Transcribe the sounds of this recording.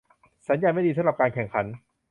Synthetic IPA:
sa˩˦njaː˧nma˥˩jdiː˧sa˨˦ɾa˨˩p̚kaː˧nkʰɛ˨˩ŋkʰa˩˦n

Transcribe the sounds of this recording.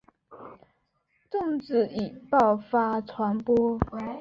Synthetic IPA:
t̪ʊ˥˨ŋt͡sɹ̩˥˩i˨˩pɑ˥˨ʊfa˦tʰwa˧˥npwɔ˥

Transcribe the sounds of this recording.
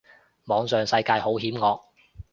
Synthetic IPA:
mɔː˨˧ŋsœː˨ŋsɐ˧jkaː˧jho˨˥wɦiː˨˥mŋɔː˨˧k̚

